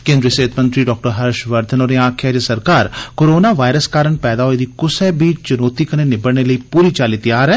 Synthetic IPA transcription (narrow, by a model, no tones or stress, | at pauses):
kẽːnd̪ɾiəseːt̪ʰmə̃nt̪ɾiɖɔːk̚ʈəɾɦɐɾʃʋɐɾd̪ʱənoːɾeãːkʰad͡ʒesɐɾkaːɾkoːɾoːnaʋaːɪɾəskaːɾəɳpɛːd̪aɦoed̪ikʊsɛbiːt͡ʃt͡ʃʊnoːt̪ikɐnenɪbəɽnelɐipuːɾit͡ʃaːlit̪ɐjaːɾɦɛː